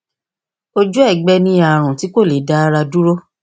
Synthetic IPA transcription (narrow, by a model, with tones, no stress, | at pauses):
o˦d͡ʒu˦ɛ˦˨ɡ͡bɛ˧nĩ˦a˨ɾ̃ũ˨ti˨˦ko˦˨le˨˦da˦ɾa˧du˦ɾo˦